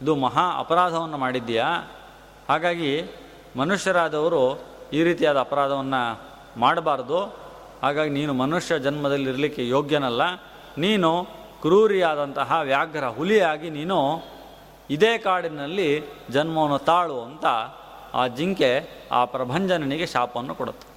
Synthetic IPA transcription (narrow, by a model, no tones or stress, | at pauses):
id̪umɐɦaːɐ̰pɐɾaːd̪ʱɐʋɐnːɐmaːɽid̪ːija | haːɡaːɡi | mɐnuʂjɐɾaːd̪ɐʋɐɾuiːɾiːt̪ijaːd̪ɐːpɐɾaːd̪ʱɐʋɐnːɐ | maːɽbaːɾɐd̪u | haːɡaːɡiniːnumɐnuʂjɐd͡ʒɐnmɐd̪ɐlːiɾɐlikːejoːɡjɐnɐlːɐ | niːnu | kɾuːɾijaːd̪ɐnt̪ɐɦɐʋjaːɡʱɐɾɐɦulijaːɡiniːnu | id̪eːkaːɽinɐlːid͡ʒɐnmɐʋɐnːut̪aːɭuɐnt̪ɐ | a̰ːd͡ʒiŋke̞ | a̰ːpɾɐbʱɐɲd͡ʒɐnɐniɡe̞ʃaːpɐʋɐnːukɔɽut̪ːu̥